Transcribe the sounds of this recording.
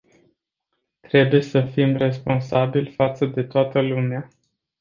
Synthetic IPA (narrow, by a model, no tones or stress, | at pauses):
t̪ɾe̞buje̞səfimre̞spo̞nsabilʲfat̪səd̪e̞t̪oat̪əlumea